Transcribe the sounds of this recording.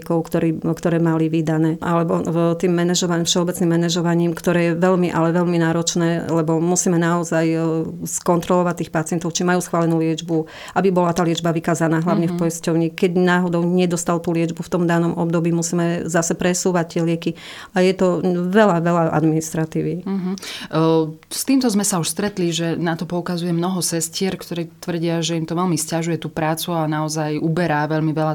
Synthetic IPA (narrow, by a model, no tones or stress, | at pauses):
kɔʊkt̪ɔɾiːkt̪ɔɾɛːmaliʋid̪anɛːʔalɛbɔt̪iːmːɛnɛʒɔʋafʃɛɔbɛt͡snimːɛnɛʒɔʋaɲiːmkt̪ɔɾɛːjɛʋɛʎmiʔa̰lɛʋɛʎminaːɾɔt͡ʃnɛːlɛbɔmusiːmɛnaɔzajskɔnt̪ɾɔlɔʋac̚t̪ːiːxpat͡siɪɛnt̪ɔʊt͡ʃimajuːsxʋaːlɛnuːlɪɛd͡ʒbu | ʔabibɔlat̪aːlɪɛd͡ʒbaʋikaːzanaːɦlaʊɲɛfpɔjiscɔʊɲikɛɟnaːɦɔd̪ɔʊɲɛd̪ɔst̪alt̪uːlɪɛd͡ʒbuft̪ɔmd̪anɔmɔb̚d̪ɔbiːmusiːmɛzasɛpɾɛsuːʋac̚t̪ːɪɛlɪɛkiajɛt̪ɔʋɛlaʋɛlaʔa̰d̪minist̪ɾat̪iːʋiɦ | st̪iːmt̪ɔzmɛsauʃst̪ɾɛt̪liʒɛnat̪ɔpɔukazujɛmnɔɦɔsɛscɪɛɾkt̪ɔɾiːt̪ʋr̩ɟɪaʒɛimt̪ɔʋɛlmiscaʒujɛt̪uːpɾaːt͡suanaɔzajubɛɾaʋɛlmiʋɛla